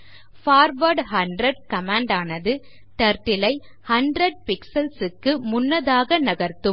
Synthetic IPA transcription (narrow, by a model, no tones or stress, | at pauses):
faːɾʋɐɾɖhɐɳɖɾɐɖkɐmaːɳɖaːnɐðɯ | ʈ̪ɐɾʈːɪlɐɪ | hɐɳɖɾɐɖ̚pɪksɐlsɯkːɯmʊnːɐðaːɣɐnɐɣɐɾt̪ɯm